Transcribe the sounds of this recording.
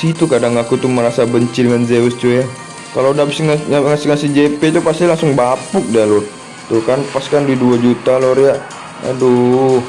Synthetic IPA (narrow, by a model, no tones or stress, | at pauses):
sit̪ukadaŋakut̪uməɾasabəɲt͡ʃidəŋanzeust͡ʃuja | kalodabisŋŋasiŋasid͡ʒepet̪̬upast̪ilaŋsʊŋbapʊk̚dalo | t̪ukanpaskanduiduad͡ʒut̪aloɾijaʔ | a̰du